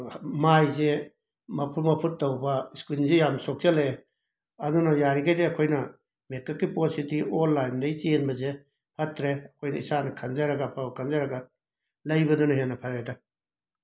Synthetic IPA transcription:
majze | mɐpʰumɐpʰutːɐwbɐskunzejamsok̚t͡ʃɐle | ɐdunɐjaɾiɡajdeɐkʰojnɐ | mekːɐkːipositiolːajndɐjt͡ʃenbɐze | hɐtːɾeɐkʰojnɐisanɐkʰɐnzaɾɐɡɐpʰɐkʰɐnzaɾɐɡɐ | lɐjbɐdunɐɦenːɐpʰaɾajdɐ

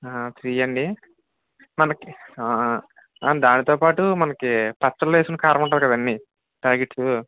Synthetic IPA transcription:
aːt̪ɾijɐɳɖi | mɐnɐki | d̪aːnit̪oːpaːʈumɐnɐkipɐt͡ʃːɐlʋeːskunɐkaːɾɐnɐmuɳʈ̬ːaːd̪ikɐd̪ɐnːi | ʈaːɾɡeʈsu

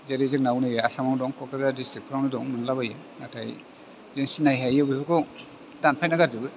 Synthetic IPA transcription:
zeɾezeknawnɯjɯasamaŋdɔŋkʰɔkazadistip̚pʰɾawnidɔŋmɯnlabajɯ | natʰaj | zeŋsinajɦajɯbibɯkʰɔ | danpʰajnaɡaɾzɯbɯ

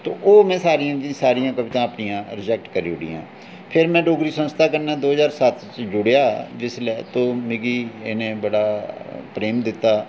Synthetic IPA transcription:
t̪oːʔoːmɛ̃ːsaːɾijãːd̪ĩsaːɾijãːkəʋɪt̪ãːəpnijãːɾɪd͡ʒɛːk̚ʈkəɾḭːʊɽḭjã̰ː | pʰɪɾmɛ̃ːɖoːɡɾiːsənst̪ʰaːkəɾnaːd̪oːɦəzaːɾsət̪t͡ʃd͡ʒʊɽejaːd͡ʒɪslɛt̪oːmɪɡiːenẽːbəɽaːpɾeːmd̪ɪt̪ːaː

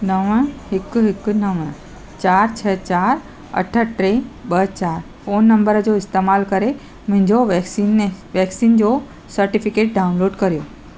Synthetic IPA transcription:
nɐʋəɦɪkʊɦɪkʊ̆nɐʋə̃ | t͡ɕaːɾt͡ɕʰɐt͡ɕaːɾ | ɐ̰ʈʰə̆ʈɾẽɓɐt͡ɕaːɾ | foːnːɐ̃mbəɾəd͡ʑoɪst̪eːmaːlkɐɾe | mʊ̃ɦɪ̃ɲd͡ʑoʋɛksinːeʋɛːksiːnd͡ʑoː | sɐɾʈɪfɪkeːʈ̚ɖaːʊnloːɖkɐɾijoː

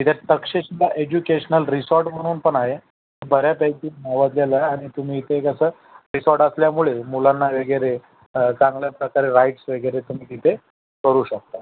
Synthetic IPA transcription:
it̪ʰaʈ̪əkʂeɕilaʔed͡ʑukeɕnəlɾisɔɾʈm̤əɽ̃uːnpəɳaɦe | t̪əbʱəɾjapat͡ɕiːnaʋad̪ljalaːɽ̃it̪um̤iːt̪ʰekəsəː | ɾisɔɾʈəsljamuɭemulanːaʋəɡjɾe | t͡sãŋɡljapɾəkaɾeɾajʈsʋəɡɾet̪um̤iːkit̪ʰe | kəɾuːɕək̚t̪a

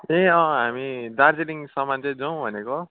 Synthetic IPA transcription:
eʌ̃ɦamid̪ard͡zeliŋsʌmant͡sʌ̃d͡zʌw̃bʱʌneko

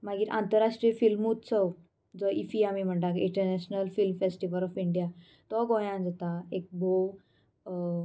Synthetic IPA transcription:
maɡiːɾʔã̰nt̪əɾaʂʈɾifilmut̪t͡sə | d͡zɔʔifiamiːm̤əɳt̪akĩɳʈəɾnɛɕnəlfilmfesʈiʋəlɔfiɳɖija | t̪ɔɡõjãnd͡zət̪aek̚bʱo

